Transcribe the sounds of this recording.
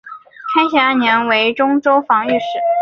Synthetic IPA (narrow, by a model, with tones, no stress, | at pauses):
kʰa˥ɪɕɛ˧˥a˥˩njɛ˧˥nwe˧˥ɪʈ͡ʂʊ˥ŋʈ͡ʂo˥ʊfɑ˧˥ŋy˥˧ʂɻ̩˥˩